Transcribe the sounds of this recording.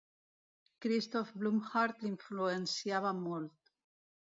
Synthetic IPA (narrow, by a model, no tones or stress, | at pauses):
kɾist̪ofblumxaɾt̪liɱfluensjaβamolt̪